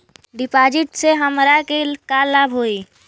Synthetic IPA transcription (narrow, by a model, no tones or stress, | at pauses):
ɖɪpad͡ʒɪʈseɦəmɾakekaləbʱɦoi